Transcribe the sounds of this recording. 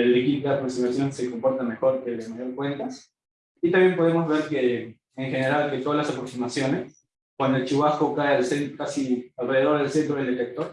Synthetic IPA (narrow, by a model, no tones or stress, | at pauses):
elikit̪apɾoksimasjo̞nse̞ko̞mpo̞ɾt̪ame̞xo̞ɾkelemajoɾkwe̞nt̪as | it̪ambje̞mpo̞ðe̞mo̞zβe̞ɾkeː | ŋxe̞ne̞ɾalket̪o̞ðalasapɾo̞ksimasjo̞ne̞s | kwand̪oelt͡ʃiβasko̞kaealsenkasialre̞ðe̞ðo̞ɾð̞elsent̪ɾoðeld̪e̞t̪e̞k̚t̪o̞ɾ